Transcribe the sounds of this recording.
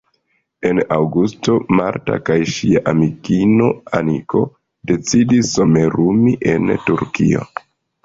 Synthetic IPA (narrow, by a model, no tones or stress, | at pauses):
e̞nawɡusto̞maɾta̰kajʃiaʔamikino̞aniko̞ | de̞t͡sidisːo̞me̞ɾumiʔe̞ntuɾkio̰